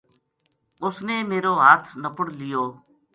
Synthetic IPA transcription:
ʊsneːmeːɾoːɦaːt̪ʰnəpəɽlɪjoː

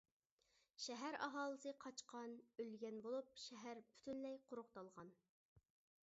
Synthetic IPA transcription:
ʃɛɦæɾɑ̰ɦɑːlˠəsɨqʰɑt͡ʃqʰɑnølɡʲɛnbolˠup̚ʃɛɦæɾpʰy̥t̪ʰynlɛjqʰʊɾʊqt̪ɑlˠʁɑn

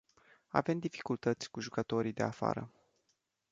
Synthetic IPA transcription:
a̰ve̞md̪ifi̥kult̪ət̪sʲkuʒukət̪o̞ɾijd̪e̞afa̰ɾə̰

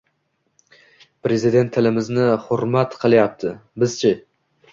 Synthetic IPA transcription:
pɾe̞zɪd̪e̞nt̪ʰːɪlɪmɪznɪhʊɾmat̪qʰɨlˠjap̚t̪ʰɪbɪz̥t͡ʃʰɪ

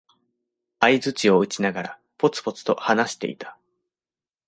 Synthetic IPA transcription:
aizɨt͡ɕio̞ɯ̟t͡ɕinaɡaɾa | po̞t͡sɨ̥po̞t͡sɨ̥t̪o̞̰hanaɕi̥t̪e̞̰ḭt̪ḁ

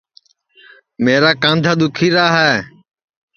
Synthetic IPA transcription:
meːɾaːkãːnd̪ʱaːd̪ʊkʰiːɾaːɦɛː

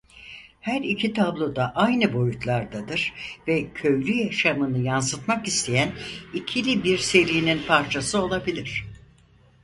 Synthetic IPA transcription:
hæɾicʰit̪ʰablˠo̞d̪aʔajnɯbo̞jut̪ʰlˠaɾd̪ad̪ɯɾ̥vɛcʰø̞jlʲyjaʃamɯnɯjansɯt̪makist̪ʰe̞jænicʰilʲibiɾse̞ɾijininpʰaɾt͡ʃʰasɯo̞lˠabilʲiɾ̝̥

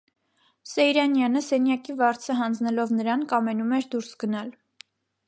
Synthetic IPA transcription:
sɛjɾɑnjɑnəsɛnjɑkivɑɾt͡sʰəɦɑnd͡znɛlɔvnəɾɑnkɑmɛnumɛɾd̪uɾsɡənɑl

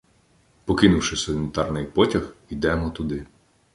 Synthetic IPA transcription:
pɔkɪnʊwʃɪsɔlʲnʲɪt̪ɑrnɪjpɔtʲɐxid̪ɛmɔt̪ʊd̪ɪ

